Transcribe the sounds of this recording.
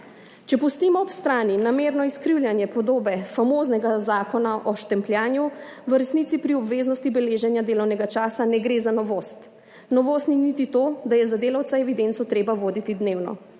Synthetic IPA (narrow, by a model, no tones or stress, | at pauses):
t͡ʃɛpust̪iːmɔɔpst̪ɾaːninameːɾnɔiskɾiwljanjɛpɔd̪oːbɛfamoːznɛɡazaːkɔnaʔɔʃt̪ɛmpljaːnjuʋəɾɛsnit̪sipɾiɔbʋeːznɔst̪ibɛleːʒɛnjad̪eːlɔwnɛɡat͡ʃaːsanɛɡɾeːzanɔʋoːst̪ | nɔʋoːst̪ninit̪it̪od̪ajɛzad̪eːlawt̪saɛʋid̪ent̪sɔt̪ɾeːbaʋoːd̪it̪id̪neːwnɔ̰